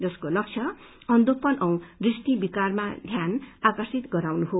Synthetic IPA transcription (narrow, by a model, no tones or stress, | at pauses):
d͡zʌskolʌk̚t͡sʰʌ | ʌnd̪opʌnʌw̃risʈ̪ibikarmad̪ʱjanakʌrsit̪ɡʌɾawnuɦo